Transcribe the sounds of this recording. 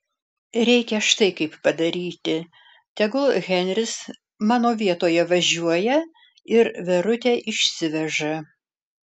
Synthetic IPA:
ɾʲɛɪkʲɛʃt̪ɐɪkɐɪppɐd̪ɐɾʲiːt̪ʲɪ | t̪ʲɛɡʊlˠɣʲɛnʲɾʲɪs | mɑːnoːʋʲiɛt̪oːjɛʋɐʒʲuɔjɛ | ɪɾʋʲɛɾʊt̪ʲeʔɪʃʲsʲɪʋʲɛʒɐ

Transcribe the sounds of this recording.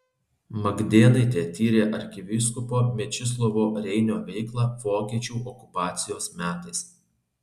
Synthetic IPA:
mɐɡd̪ʲeːnɐɪt̪ʲeːt̪ʲiːɾʲeːʔɐɾʲkʲɪʋʲɪskʊpoːmʲɛt͡ʃʲɪs̬lˠɔʋoːɾʲɛɪnʲoːʋʲɛɪklˠɑʋoːkʲiːt͡ʃʲuːʔɔkʊpɑːt̪sʲɪjoːsmʲæːt̪ɐɪs

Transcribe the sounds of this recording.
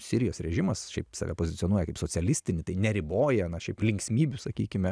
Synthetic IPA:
sʲɪɾʲɪjoːsɾʲɛʒʲɪmɐsʃʲɛɪpsɑ̰ːʋʲɛ̰poːzʲɪtt͡s̪sʲɪoːnuɔjɛkɐɪpsoːt͡sʲɛlʲɪsʲt̪ʲɪnʲɪt̪ɐɪnʲɛɾʲɪboːjɛnɐʃʲɛɪplʲɪŋʲksʲmʲiːbʲʊsɐkʲiːkʲɪmʲɛ

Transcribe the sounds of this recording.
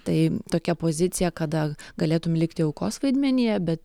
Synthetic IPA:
t̪ɐɪt̪oːkʲɛpoːzʲɪt̪sʲɪjɛkɐd̪ɐɡɐlʲeːt̪ʊmʲlʲɪkt̪ʲɪɛʊkoːsʋɐɪd̪ʲmʲɛnʲɪjɛbʲɛt̪

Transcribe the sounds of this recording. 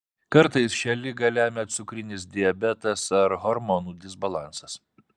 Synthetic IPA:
kɐɾt̪ɐɪsʃʲɛlʲɪɡɐlʲæːmʲɛt̪sʊkɾʲɪnʲɪsd̪ʲɪɛbʲɛt̪ɐsɐɾɦɔɾmɔnuːd̪ʲɪzbɐlˠɑˑnsɐs

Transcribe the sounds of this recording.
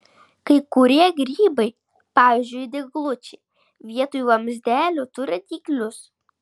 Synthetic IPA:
kɐɪkʊɾʲiɛɡɾʲiːbɐɪ | pɑːʋʲiːzʲd͡ʒʲʊjd̪ʲɪɡlˠʊt͡ʃʲɛɪ | ʋʲiɛt̪oːjuɐmʲzʲd̪ʲæːlʲʊt̪ʊɾʲɪt̪ʲiːklʲʊs

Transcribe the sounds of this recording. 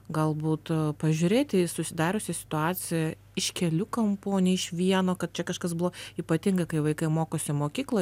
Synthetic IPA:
ɡɐlˠbuːt̪pɐʒʲʊɾʲeːt̪ʲɪsʊsʲɪd̪ɑːɾʲʊsʲɪsʲɪ̥t̪ʊɑːt̪t͡s̪ʲɪjɛ | ɪʃkʲɛlʲʊkɐmpoːnʲɛɪʃʋʲiɛnoːkɐt̪̚t͡ʃʲɛkɐʃkɐsbʊʋoiːpɐt̪ʲɪŋɡɐkɐɪʋɐɪkɐɪmoːkoːsʲɪmoːkʲiːklˠoː

